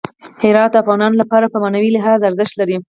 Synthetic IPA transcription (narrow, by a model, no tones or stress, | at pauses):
hɪɾɑt̪̚d̪əafɣɑnɑnlapɑɾapəmanawilɪɦɑzaɾzɪʃt̪laɾi